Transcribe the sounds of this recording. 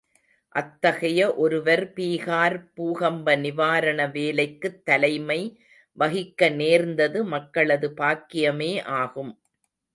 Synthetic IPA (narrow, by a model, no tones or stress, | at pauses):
ʔɐt̪ːɐɣɐjɐʔɔɾɯʋɐɾpiːɣaːɾpuːɣɐmbɐnɪʋaːɾɐɳɐʋeːlɐɪkːɯt̪ːɐlɐɪmɐɪ | ʋɐɣɪkːɐneːɾnd̪ɐðɯmɐkːɐɭɐðɯpaːkːɪjɐmeːʔaːɣɯm